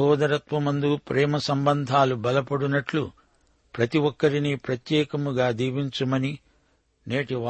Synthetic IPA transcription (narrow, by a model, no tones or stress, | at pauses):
ɔːd̪ɐɾɐt̪ʋɐmɐnd̪upɾɛːmɐsɐmbɐnd̪ʱaːlubɐlɐpɐɽunɐʈlu | pɾɐt̪iʋɔkːɐɾiniːpɾɐt̪jɛːkɐmuɡaːd̪iːʋiɲt͡ʃumɐni | neːʈiʋa